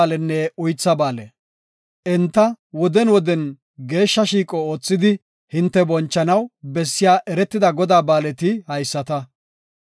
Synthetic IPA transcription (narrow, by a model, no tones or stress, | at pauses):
lɛnːɛʊjt͡sːɐbaːlɛ | ʔɛnt̪ːɐwɔd̪ɛnwɔd̪ɛn | ɡe̞ːʃːɐʃiːkʼɔo̞ːt͡sːɪd̪ɪ | hɪnt̪ːɛbɔnt͡ʃːɐnɐwbɛsːɪjaːʔɛɾɛt̪ːɪd̪ɐɡɔd̪aːbaːlɛt̪ɪhɐjsːɐt̪ɐ